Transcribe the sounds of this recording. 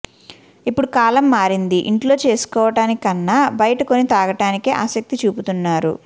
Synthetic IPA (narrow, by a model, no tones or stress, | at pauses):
ipːuɽukaːlɐmːaːɾind̪iʔiɳʈlo̞ːt͡ʃe̞ːsu̥kɔːʋɐʈaːnikɐnːaːbɐjɐʈɐko̞nit̪aːɡɐʈaːnikeːʔaːsɐk̚t̪it͡ʃuːput̪unːaːɾṵ